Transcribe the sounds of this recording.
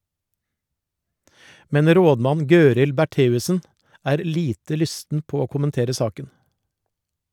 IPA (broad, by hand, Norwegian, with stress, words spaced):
ˈmɛn ˈɾoːdˌmɑn ˈɡøːɾɪl bæˈʈeːʉsn̩ ˈæːɾ ˈliːtə ˈlʏstn̩ ˈpoː ˈoː kʊmənˈteːɾə ˈsɑːkən